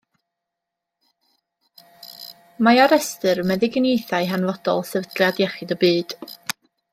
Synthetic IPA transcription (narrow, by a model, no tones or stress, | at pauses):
maaɾɛstɨɾmɛðɪɡənejθaɨɦanvɔd̥ɔ̰lˠsɛvdrjadjɛχɪdəbɨːd̥